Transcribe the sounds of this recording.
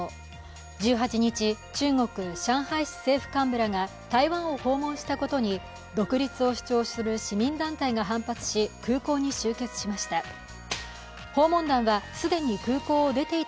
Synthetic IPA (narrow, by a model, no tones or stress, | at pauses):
d͡ʑɨːɦat͡ɕiɲ̟it͡ɕi | t͡ɕɨːŋo̞kɯ̟ɕãɰ̃haiɕi̥se̞ːɸɯ̟̥kãmbɯ̟ɾaŋa | t̪aiβãɰ̃o̞ho̞ːmõ̞ɰ̃ɕi̥t̪ako̞t̪o̞ɲ̟i | d̪o̞kɯ̟ɾʲit͡sɨo̞ɕi̥t͡ɕo̞ːɕsɨɾɯ̟ɕimʲĩnd̪ãnt̪aiɡaɦãmpat͡sɨ̥ɕikɯːko̞ːɲ̟iɕɨːke̞t͡sɨ̥ɕimaɕi̥t̪a | ho̞ːmõ̞nd̪ãɰ̃βasɨd̪ẽ̞ɲ̟ikɯ̟ːko̞ːd̪e̞t̪e̞i